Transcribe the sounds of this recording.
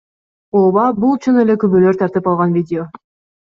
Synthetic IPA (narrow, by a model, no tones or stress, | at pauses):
oβɑbulˠt͡ʃʰunele̞kybølø̞ɾt̪ʰɑɾt̪ɯpɑlˠʁɑnvʲidʲɪo̞